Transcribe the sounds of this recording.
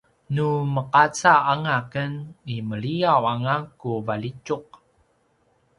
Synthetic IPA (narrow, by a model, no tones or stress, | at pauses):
numəqat͡saaŋakəniməɭiawaŋakuvalit͡ʃuq̚